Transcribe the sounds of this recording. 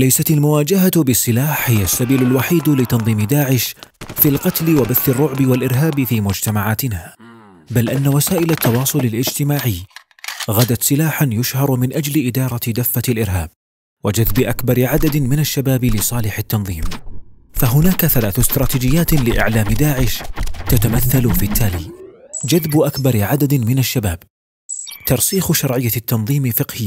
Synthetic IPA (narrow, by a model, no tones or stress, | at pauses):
lajsat̪almʊwaːd͡ʒaɦabɪsːɪlaːħhɪjːasːabiːlʊlwaħiːd̪lɪt̪ɑnðˤiːmɪd̪aːʕɪʃfilqɑt̪lɪwabaθːɪrˤːʊʕbɪwalʔɪɾɦaːbfiːmʊd͡ʒt̪amaʕaːt̪ɪnaː | balʔanːawasaːʔɪlat̪ʰːɑwɑːsˤʊlɪlʔɪd͡ʒt̪ɪmaːʕɪj | ɣad̪at̪sɪlaːħanjʊʃhɑɾˤmɪnʔad͡ʒlɪʔɪd̪ɑːɾˤɑd̪afːat̪alʔɪɾɦa̰ːb̚ | wad͡ʒaðbɪʔakbɑɾˤʕad̪ad̪mɪnaʃːabaːblɪsˤɑːlɪħɪt̪ːɑnðˤiːmfaɦʊnaːkaθalaːθʊst̪ɾˤɑːt̪iːd͡ʒɪjːaːt̪lɪʔɪ̰ʕlaːmd̪aːʕɪʃt̪at̪amaθːalfit̪ʰːaːlḭːd͡ʒaðbʔakbɑɾˤʕad̪ad̪mɪnaʃːabaːb | t̪ɑɾˤsiːxʃɑɾˤʕɪjːat̪ːɑnðˤiːmfɪqhɪ